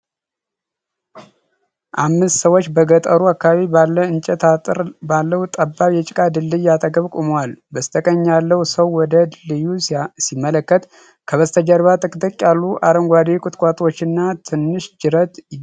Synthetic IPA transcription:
ʔamːɨst̪səwot͡ʃːbəɡət̪ʼəɾuakːaβaβibalːəɨnt͡ʃʼɛt̪ʰaɾbalːəhut̪ʼəbːaβjɛt͡ʃʼɪkʼad̪ɨlːɨjat̪ʼəɡəβkʼuməwalbəst̪ʰəkʼəɲːalːəhusəwːɔd̪əlɨjusimːələkːət̪ | kʰəβəst̪ʰəd͡ʒəɾβat̪ʼɨkʼt̪ʼəkʼːjalːuʔaɾəŋɡʷad̪ekʼʊt̪ʼkʼat̪ʼot͡ʃːɪnːat̪ʰɨnːɨʃd͡ʒɨɾət̪

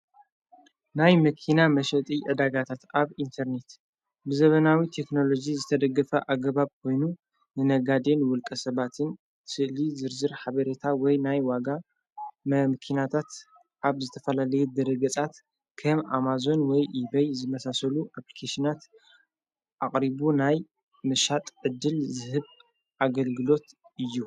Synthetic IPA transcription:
najmɐkʰinamɐʃɐt̪ʼiʕɨd̪aɡat̪ʰat̪aβint̪ʰɐɾne̞t̪ | bɨzɐβɐnawit̪ʰe̞kno̞lo̞d͡ʒizɨt̪ʰɐd̪ɐɡːɐfɐʔaɡɐβaβkʰo̞jnu | nɨnɐɡad̪enwʊlkʼɐsɐβat̪ʰɨn | sɨʔlizɨɾzɨɾħaβɐɾet̪ʰawɔjnajwaɡa | mɐmɨkʰinat̪ʰat̪ | ʔaβzɨt̪ʰɐfɐlalɐjɛd̪ɐɾɐɡɐt͡sʼat̪ | kʰɐmamazo̞nwɔjʔibɐjzɨmɐsasɐluʔaplikʰaʃinat̪ | ʔaχʼɾibunaj | mɨʃat̪ʼʕɨd̪ːɨlzɨhɨβ | ʔaɡɐlɡɨlo̞t̪ɨjːu

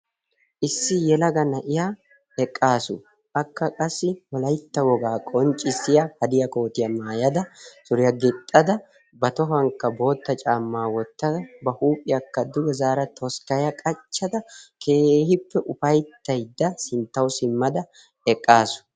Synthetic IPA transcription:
ʔɪsːɪjɛlɐɡɐnɐʔɪjaː | ɛkʼːaːsʊ̰ | ʔɐkːɐkʼɐsːɪwɔlɐjt̪ːɐwɔɡaːkʼɔnt͡ʃʼɪsːɪjɐhɐd̪ɪjɐko̞ːt̪ɪjɐmaːjɐd̪ɐsʊɾɪjɐɡɪt̪ʼːɐd̪ɐ | bɐt̪ɔɦɐŋkːɐbo̞ːt̪ːɐt͡ʃʼaːmːaːwɔt̪ːɐd̪ɐbɐhuːpʼɪjɐkːɐd̪ʊɡɛzaːɾɐt̪ʰɔskɐjɐkʼɐt͡ʃːɐd̪ɐkʰeːhɪpːɛʔʊfɐjt̪ːɐjd̪ːɐsɪnt̪ːɐwsɪmːɐd̪ɐ | ɛkʼːaːsʊ̥

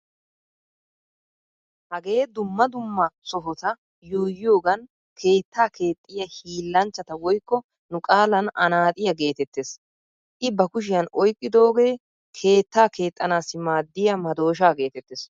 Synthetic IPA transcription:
hɐɡe̞ːd̪ʊmːɐd̪ʊmːat͡sɔɦɔt̪ɐ | juːjɪjo̞ːɡɐn | kʰe̞ːt̪ːaːkʰe̞ːt̪ʼːɪjɐhiːlːɐnt͡ʃːɐt̪ɐwɔjkːɔ | nʊkʼaːlɐnɐnaːt̪ʼɪjɐɡe̞ːt̪ɛt̪ːes | ʔɪbɐkʊʃ̬ɪjɐnɔjkʼːɪd̪o̞ːɡe̞ː | kʰe̞ːt̪ːaːke̞ːt̪ʼːɐnaːsːɪmaːd̪ːɪjɐmɐd̪o̞ːʃ̬aːɡe̞ːt̪ɛt̪ːɪs

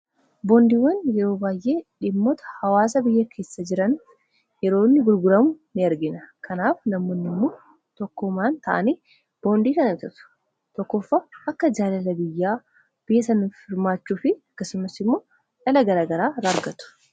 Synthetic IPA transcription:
boːnd̪iːwɐnjɛɾo̞ːbaːjʔe̞ːᶑɪmːɔt̪ɐ̥hɐwaːs̬ɐbɪjːɐkʰe̞ːsːɐd͡ʒɪɾɐn | jɛɾo̞ːnːɪɡʊɾɡʊɾɐmʊnɪɐɾɡɪnɐkʰɐnaːfnɐmːoːnːɪmːoː | t̪ɔkːʊmaːnt̪ʰɐʔɐ̰ni | b̥o̞ːnd̪iːkɐnɐt̪ɐt̪ʊ̥ | t̪ɔkːɔfːaʔɐkːɐd͡ʒaːlɐlɐbɪjːaː | b̥ɪjːsɐnʊfɪɾmaːt͡ʃːuːfɪɐkːɐsʊmɐsɪmːo̞ː | ᶑɐlɐɡɐɾaːɡɐɾaːɾaɾɡɐt̪ʊ̥

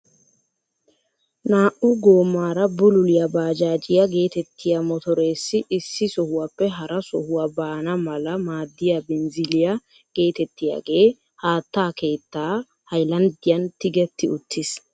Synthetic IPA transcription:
naːʔʊɡo̞ːmːaːɾɐbʊlʊlɪjɐbaːd͡ʒaːd͡ʒɪjɐɡe̞ːt̪ɛt̪ːɪjɐmɔt̪ɔɾe̞ːsːɪʔɪsːɪsɔhʊwapːɛɦɐɾɐsɔ̰hʊwɐbaːnɐmɐlɐmaːd̪ːɪjabɪnzɪlɪjɐ | ɡ̥e̞ːt̪ɛt̪ːɪja̰ːɡe̞ː | haːt̪ːaːke̞ːt̪ːaː | hɐjlɐnd̪ɪjɐnt̪ɪɡɛt̪ːɪʊt̪ʰːɪs

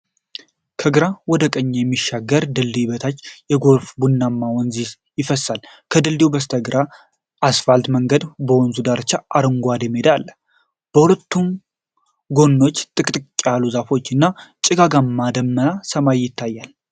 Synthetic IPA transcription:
kʰəɡɨɾawɔd̪əkʼəɲːejɛmːiʃaɡːəɾd̪ɨld̪ibət̪ʰat͡ʃːjɛɡo̞ɾfbunːamːawɔnzi | jɪfəsːal | kʰəd̪ɨld̪iwbəst̪ʰəɡɾa | ʔːsfalt̪məŋɡəd̪bəwɔnzud̪aɾt͡ʃːaʔaɾɨŋɡʷad̪emed̪alː | b̥əhulət̪ːum | ɡo̞nːo̞t͡ʃːt̪ʼɨkʼt̪ʼɨt͡ʃʼːaluzafo̞t͡ʃːɨnːat͡ʃʼɪɡaɡamːad̪əmːənasəmajjɪt̪ʰːajːal

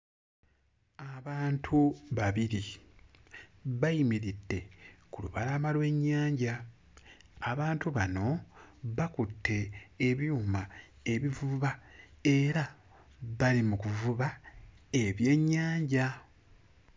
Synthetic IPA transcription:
aβaːntʰuβaβiɾi | βajimiɾidːe̞kulṵβalamalwe̞ɲːaːɲɟa | aβaːntuβano̞βakutʰːe̞ːβjuːma | e̞βivuβae̞ɾa | βalimukuvuβa | e̞βje̞ɲːaːɲɟa

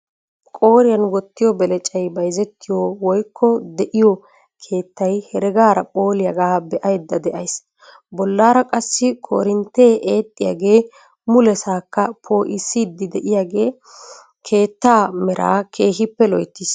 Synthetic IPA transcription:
kʼo̞ːɾɪjɐnɡɔt̪ːɪjɔbɛlɛt͡ʃʼɐjbɐjzɛt̪ːɪjɔwɔjkʰːɔd̪ɛʔɪjɔ | kʰe̞ːt̪ːɐjhɛɾɛɡaːɾɐpʼo̞ːlɪjɐɡaːbɛʔɐjd̪ːɐd̪ɛʔɐjs | bɔlːaːɾɐkʼɐsːɪkʰʼo̰ːɾɪnt̪ːe̞ːʔeːt̪ʼːɪja̰ːɡe̞ː | mʊlɛsaːkːɐpʰoːʔɪsːiːd̪ːɪd̪ɛʔɪjaɡe̞ː | kʰe̞ːt̪ːaːmɛɾa̰ːkʰe̞ːɦɪpːɛlɔjt̪ːis

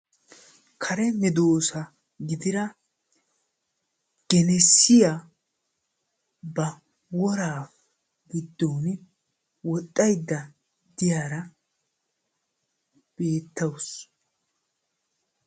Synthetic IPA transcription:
kʰɐɾɛmɪd̪oːsɐ | ɡɪd̪ɪɾɐ | ɡ̥ɛnɛsːɪja | bɐ | wɔɾaːf | ɡɪd̪ːoːn | wɔt̪ʼːɐjd̪ːɐ | d̪ɪjaːɾɐ | b̥e̞ːt̪ːɐws

